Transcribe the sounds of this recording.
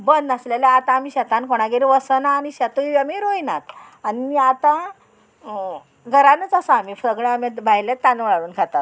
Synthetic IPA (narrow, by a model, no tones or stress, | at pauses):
bənd̪əslelaat̪aːmiːɕɛt̪ankoɽ̃aɡeɾiʋəsənaːniɕat̪uiʋamiɾojna̰t̪ | animiat̪a | ɡʱəɾanət͡sasaam̤ifəɡɭeamebʱajlet̪ːanʋɭaɽuːnkʰat̪at̪̚